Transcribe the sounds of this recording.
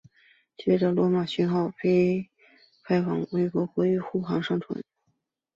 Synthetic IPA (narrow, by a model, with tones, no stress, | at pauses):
t͡ɕɥɛ˥˩ʈ͡ʂə˨˩lwɔ˧˥ma˨˩ɕy˧˥nxɑ˥˩ʊpʰe˥ɪ | kʰa˥ɪfɑ̰˨˩˦ŋwe˥˩ɪkwɔ˧˥kwɔ˧˥y˧˥˩xu˥˩xɑ˧˥ŋʂɑ˥ŋt͡sʰwə̰˧˥n